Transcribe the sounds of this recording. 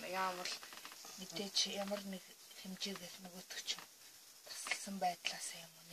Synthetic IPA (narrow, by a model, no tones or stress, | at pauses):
jaːmə̆ɮmit̪eːt͡ɕʰjamə̆rnekxemt͡ɕeːɣesnɵɣoːt̪ɵ̥̆kʰt͡ɕʰʊŋ | t̪ʰḁsə̆ɬsə̆mpæːt̪ɮaːsaːjʊmun